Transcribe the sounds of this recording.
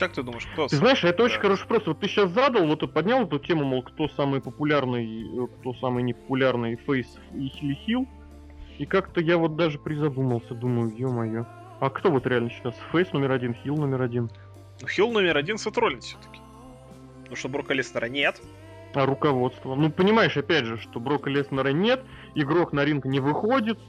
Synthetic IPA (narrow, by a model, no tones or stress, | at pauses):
k̪ak̚t̪ɨd̪uməjɪʂt̪ɨznaɪʂɐɛt̪əo̞t͡ɕɪnʲxɐɾoʂɨ̥pɾost̪vot̪ːɨɕːas̬zad̪əlˠvo̞t̪otpɐdʲnʲalˠɛt̪ʊtʲemʊmolˠkt̪o̞samɨjəpəpʊlʲarnɨjəkt̪o̞samɨjnʲɪpə̥pʊlʲarnɨjfɛjs | ilʲɪxʲilˠ | ikakt̪əjavo̞t̪̚d̪aʐɨpɾʲɪzɐd̪uməlˠsʲəd̪uməjʊjomɐjo̞ | ɐkt̪o̞vo̞t̪ɾʲɪalʲnəɕːɪ̥t̪asfejsno̞mʲɪɾɐdʲinxʲilˠnomʲɪɾɐdʲin | nuxʲilˠnomʲɪɾɐdʲinsɐt̪ɾolʲɪnfsʲo̥t̪ə̥kʲɪ̥ | noʂt̪obɾokəlʲesnəɾənʲet̪ | ɐɾʊkɐvo̞t̪st̪vənupənʲɪmajɪʂɐpʲædʲʐɨʂt̪o̞bɾo̞kəlʲesnəɾənʲe̞t̪ | ɪɡɾo̞knɐɾʲinkənʲɪvɨxo̞dʲɪt̪